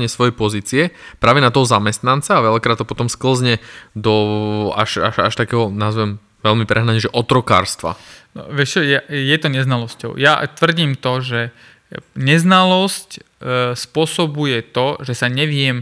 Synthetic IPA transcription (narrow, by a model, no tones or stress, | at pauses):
ɲɪɛsʋɔjɛjpɔziːt͡siɛpɾaːʋɛnat̪ɔɦɔzamɛst̪nant͡saːʋɛʎakɾat̪ːɔpɔt̪ɔmskl̩zɲɛd̪ɔa̰ʃaʃaʃt̪akɛːɦɔnazʋɛm | ʋɛlmipɾʔɛɦnaɲɛʒɛʔɔt̪ɾɔka̰ːɾst̪ʋa̰nɔ̰ʋɛʃt͡ʃɔjajɛt̪ɔɲɛznalɔscɔ̰ʊja̰t̪ʋr̩ɟiːmt̪ɔʒɛ | ɲɛznalɔsc | spʊɔsɔbujɛt̪ɔʒɛsaɲɛʋɪɛm